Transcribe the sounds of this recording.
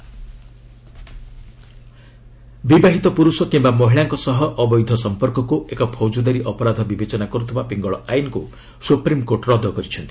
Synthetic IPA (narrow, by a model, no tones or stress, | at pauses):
bibaɦit̪ɔpuɾusɔkimbamɔɦiɭaŋkɔsɔɦɔʔɔbɔjd̪ʱɔsɔmpɔɾkɔkuʔekɔpʰɔwd͡ʒɔd̪aɾiʔɔpɔɾad̪ʱɔbibet͡ʃɔnakɔɾut̪ʰibapiŋɡɔɭɔajnɔku | supɾimkoʈɾɔd̪ʱɔkɔɾit͡ʃʰɔnt̪i̥